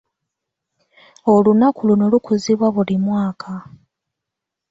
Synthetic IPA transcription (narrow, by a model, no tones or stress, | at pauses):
olunakulunolukuziβwaβulimwaːkʰa